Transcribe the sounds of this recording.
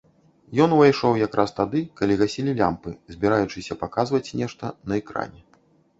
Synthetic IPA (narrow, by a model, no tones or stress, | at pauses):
jɔnvajʂɔwjakɾʔast̪ad̪ɨkalʲiɣasʲilʲilʲa̰mpɨzʲbʲɛɾajut͡ʂɨsʲɐpakazvɐt͡sʲnʲɛʂt̪ɐnɐɛkɾa̰nʲɛ